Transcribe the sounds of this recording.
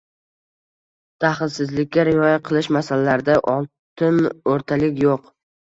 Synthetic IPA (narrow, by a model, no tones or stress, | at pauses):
t̪ʰaχɪlˠsɪzlɪkʲːaɾɪɒjaqʰɨlˠɪʃmasalalaɾɪd̪aʔɒlˠ | t̪ʰɪnoɾt̪ʰalɪkʲjoq